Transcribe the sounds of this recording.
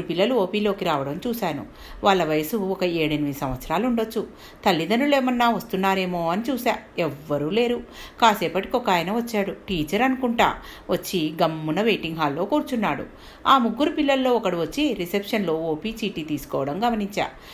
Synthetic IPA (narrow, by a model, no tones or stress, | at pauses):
upilːɐluoːpiːlo̞ːkiɾaːʋɐɽɐmt͡ʃuːsaːnṵ | ʋaːɭːɐʋɐjɐsuɔkɐeːɽɐnimisɐmʋɐt̪sɐɾaːluɳɖot͡ʃːu | t̪ɐlːid̪ɐnule̞ːmɐnːaːʋɐst̪unːaːɾe̞ːmo̞ːɐnit͡ʃuːsaːɛʋːɐɾuːle̞ːɾukaːseːpɐʈi̥kɔkaːjɐnɐʋɐt͡ʃːaːɽuʈiːt͡ʃɐɾɐnukuɳʈa̰ː | ʋɐt͡ʃːiɡɐmːunɐʋeːʈiŋɡɦaːlːo̞ːkuːɾut͡ʃunːaːɽṵ | aːmuɡːuɾupilːɐllo̞ːɔkɐɽiʋɐt͡ʃːiɾisepʂɐnlo̞ːoːpiːt͡ʃiːʈiːt̪iːsu̥kɔːʋɐɽɐmɡɐmɐniɲt͡ʃa̰ː